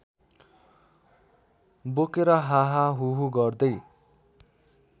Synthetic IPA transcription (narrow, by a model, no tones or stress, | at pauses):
bokeɾʌɦaɦaɦuɦuɡʌrd̪ʌj